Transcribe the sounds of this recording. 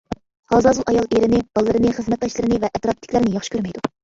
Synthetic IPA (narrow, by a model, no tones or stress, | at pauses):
hɑzɑzulˠʔɑjɑlˠeɾɪnɪb̥ɑlˠɨːɨɾɨnɪχəzmɛt̪̚d̪ɑʃlˠɨɾɨnɪvɛʔɛt̪ɾɑp̚t̪ʰːɪ̥kʲlɪɾɪnɪjɑχʃi̥kʲʰøɾmɛjd̪u